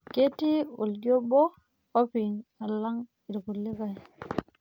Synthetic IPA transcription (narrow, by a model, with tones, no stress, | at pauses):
ke˦ti˦ṵ˨ldjo˦bo˦ | o˦pi˨ŋa˨lːa˦ŋ | i˨ɾku˨lːi˦ka˨